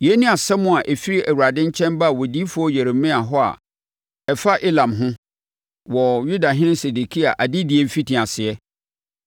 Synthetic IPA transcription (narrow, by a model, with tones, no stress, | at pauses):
jɛ˨˦nĩ˦a˨sɛ˦mʊ̃˦a˨ʔɛ˨fi˦ɾi˦ʔæ˨wu˨ɾa˨dɪ̃˦ɲ̩˦t͡ɕʰɛ̃˦nba˦a˨wɔ˨di˦fʊ˦ɔ˦jɛ˨ɾe˨mĩ˦a˨ɦɔ˦a̰˨ | ɛ˨fa˦ʔe˦lã˨mɦʊ̃˦ | wɔ˨ju˦da˨ɦɪ̃˦nɪ̃˦se˨du˨kʰi˦a˨ʔa˨dɪ˦dɪ˨ɛ˨m̩˦fi˦tʰɪ˨a˨sɪ˨ɛ˦